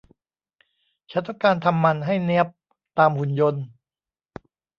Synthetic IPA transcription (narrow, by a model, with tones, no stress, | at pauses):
t͡ɕʰa˦˥t̪wa˥˩kaː˧nt̪ʰa˧mːa˧nɦa˥˩jni˦˥əp̚ | t̪aː˧mhu˨˧˩njo˧n